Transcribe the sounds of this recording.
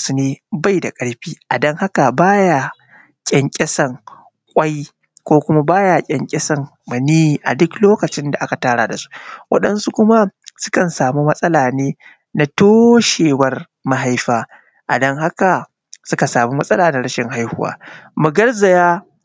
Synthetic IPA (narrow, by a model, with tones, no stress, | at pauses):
sʊ˨neː˦ba˦jda˨kʼɐ˦ɽɸiː˦ʔa˨dɐ˦ŋha˦ka˨baː˦ja˦ | kʲʼɛ˨ŋkʲʼɛ˦sɐ˦˨ŋ | kʷʼa˦j | kʷoː˦kʷʊ˦ma˦baː˦ja˨kʲʼɛ˨ŋkʲʼɛ˦sɐ˦˨ŋ | mɐ˨niː˦i˨ʔa̰˨dʊ˦kloː˦kɐ˨t͡ʃɪ˦nda˨ʔa˦ka˨taː˦ɽaː˨da˨su̥˦ʔwʔɐ̰˦ɗɐ˦nsu˦kʷʊ˦ma˦sʊ̥˦kɐ˨nsaː˨mu˦mɐ˦sʼɐ˦laː˨neː˦ | na˦toː˦ʃeː˨wɐ˦r | ma˦ɦa˦jɸaː˦ | ʔa̰˨dɐ˦ŋha˦ka˨ | sʊ˦ka˨saː˨mu˦mɐ˦sʼɐ˦laː˨na˦ɽɐ˦ʃɪ˨ŋha˦jhʊ˦wa̰ː˦mu˨ɡɐ˦rzɐ˨jaː˦